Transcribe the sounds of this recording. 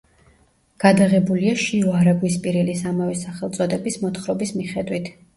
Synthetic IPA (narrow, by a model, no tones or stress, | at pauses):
ɡ̥ad̪aʁɛbuliaʃiɔaɾaɡwis̬pʼiɾɛlisamavɛsaχɛlˠt̪sʼɔd̪ɛbismɔt̪χɾɔbismiχɛd̪wit̪ʰ